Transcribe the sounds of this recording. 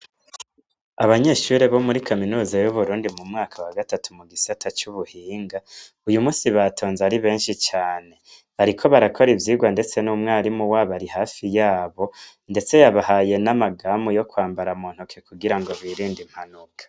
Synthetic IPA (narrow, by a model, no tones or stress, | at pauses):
aβaɲe̞ːʃuːɾeβo̞muɾikaminuːzajuβuɾuːndimumŋaːkʰawaɡatatumuɡisatʰat͡ʃuβuhiːŋɡa | ujumuːsiβatʰo̞ːnzaɾiβe̞ːnʃit͡ʃaːne̞ | βaɾikʰo̞βaɾakʰo̞ɾivjiːɡwande̞t͡se̞numŋaːɾimuwaːβaɾihaːfijaːβo̞ | nde̞t͡se̞jaβahaːje̞namaɡaːmujo̞kwaːmbaɾamuːn̥hukʰekuɡiɾaŋɡo̞βiːɾiːndim̥hanukʰḁ